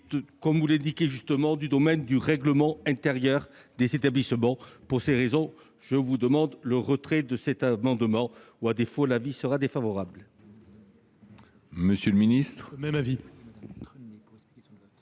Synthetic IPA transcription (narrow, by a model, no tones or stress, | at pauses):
kɔmvulɛ̃d̪ikʲeʒyst̪əmɑ̃d̪yd̪ɔmɛnd̪yʁɛɡləmɑ̃ɛ̃t̪eʁjœʁd̪ezet̪ablismɑ̃puʁseʁezɔ̃ | ʒ̥əvud̪əmɑ̃d̪ləʁət̪χɛd̪əsɛt̪amɑ̃d̪mɑ̃ | uad̪efolavisəʁad̪efavɔʁabl | məsjəlminist̪χɛmavi